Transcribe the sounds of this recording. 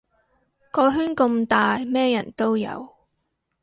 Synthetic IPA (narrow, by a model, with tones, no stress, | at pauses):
kɔː˧ɦyː˥nkɵ˧mt̪aː˨jmɛː˥jɐ˨˩nt̪o˥wjɐ̰˨˧w